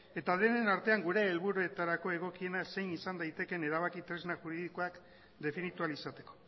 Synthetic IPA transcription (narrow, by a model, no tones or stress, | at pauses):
e̞t̪aðe̞ne̞naɾt̪e̞aŋɡuɾe̞ːlβuɾue̞t̪aɾako̞e̞ɣ̞o̞kie̞nase̞jnisand̪ajt̪e̞ke̞ne̞ɾaβ̞akit̪ɾe̞znaʝuɾiðikoak | d̪e̞finit̪ualisat̪e̞ko̞̥